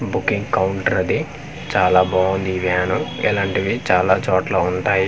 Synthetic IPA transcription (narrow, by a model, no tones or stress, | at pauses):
bukːiŋɡkɐwuɳʈɐɾɐd̪i | t͡ʃaːlaːbaːund̪iʋjaːnuɛ̰laːɳʈiʋit͡ʃaːlaːt͡ʃɔːʈlaːuɳʈaːji